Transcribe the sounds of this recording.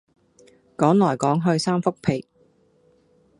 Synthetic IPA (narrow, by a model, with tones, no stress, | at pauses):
kɔː˨˥ŋlɔː˨˩jkɔː˨˥ŋɦɵ˧ɥsaː˥mfʊ˥k̚pʰe˨˩j